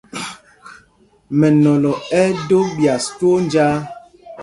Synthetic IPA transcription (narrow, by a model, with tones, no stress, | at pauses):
mɛ˨nɔ˨lɔ˨ɛ˦do˦bja˨stwo˦n˦d͡ʒaː˦